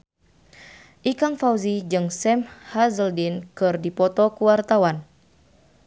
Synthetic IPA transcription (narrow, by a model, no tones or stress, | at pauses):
ʔikaŋfawzid͡ʒɨŋsɛmhazəldinkɨrdipɔt̪ɔkuwart̪awan